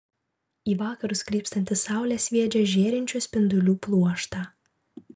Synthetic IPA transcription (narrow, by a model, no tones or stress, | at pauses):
iːʋɑːkɐɾʊskɾʲiːpst̪ɐnʲt̪ʲɪsɑˑʊlʲɛːsʲʋʲiɛd͡ʒʲɛʒʲeːɾʲɪnʲt͡ʃʲʊsʲpʲɪnd̪ʊlʲuːplˠuɔʃt̪ɑː